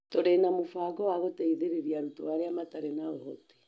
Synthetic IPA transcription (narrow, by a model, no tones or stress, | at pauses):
toɾenamofaːɡɔwaɣotɛiðeɾeɾiaɾutowaɾeamataɾenaoɦɔte̥